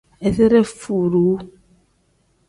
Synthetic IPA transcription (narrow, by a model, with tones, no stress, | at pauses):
e˨θe˦ɾe˦fu˨ɾu˨˦